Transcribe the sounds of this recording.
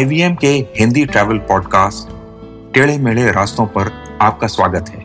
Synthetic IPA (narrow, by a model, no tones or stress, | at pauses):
aɪʋiːɛmkeɦɪ̃nd̪iʈɾɛːʋəlpɔːɖkaːsʈ | ʈeːɭemeɭeɾaːst̪õpɐɾ | aːp̚kasʋwaːɡət̪ɦɛː